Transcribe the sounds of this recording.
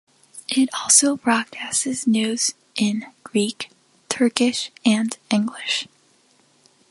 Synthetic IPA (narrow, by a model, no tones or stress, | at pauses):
ʔɪɾɔlˠsoʊbɹ̥ɑd̚kʰæstɨznʉz̥ | ʔɪ̃nɡ̥ɹik | tʰɜ˞kɪʃɨ̃nɪ̃ŋɡlɪʃ